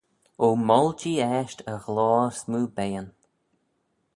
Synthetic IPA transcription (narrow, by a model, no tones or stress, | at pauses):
oːmɔlt͡ʃiːɛʃtəɣlɔːɾsmuːbɛjən